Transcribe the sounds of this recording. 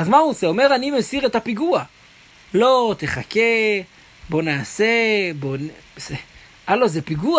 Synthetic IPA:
azmauseo̞me̞ʁanimesiʁet̪apiɡua | lo̞t̪e̞χake | bo̞naːsebonse | alozepiɡua

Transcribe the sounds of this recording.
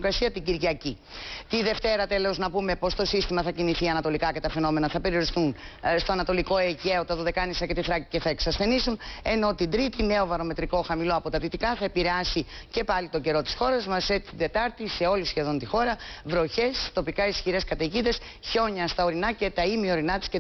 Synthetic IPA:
okɾɐsiɐt̪iɟiɾʝɐci | t̪iðe̞ft̪e̞ɾɐt̪e̞loznɐpume̞po̞st̪o̞sist̪imɐθɐciniθiɐnɐt̪o̞likɐce̞t̪ɐfe̞no̞me̞nɐθɐpe̞ɾio̞ɾisθunst̪o̞ɐnɐt̪o̞liko̞eʝeot̪ɐðoðe̞kɐnisɐcet̪iθɾɐcice̞θɐe̞ksɐsθe̞nisune̞no̞t̪ind̪ɾit̪ine̞o̞vɐɾo̞me̞t̪ɾiko̞xɐmilo̞ɐpo̞t̪ɐðit̪ikɐθɐepiɾeɐsice̞pɐlit̪o̞ɟe̞ɾo̞t̪i̥sxo̞ɾɐzmɐset̪t̪id̪e̞t̪ɐɾt̪ise̞o̞lisçe̞ðo̞nt̪ixo̞ɾɐvɾo̞çe̞st̪o̞pikɐisçiɾe̞skɐt̪eʝid̪e̞s | ço̞ɲɐst̪ɐo̞ɾinɐce̞t̪ɐimio̞ɾinɐt̪i̥sce

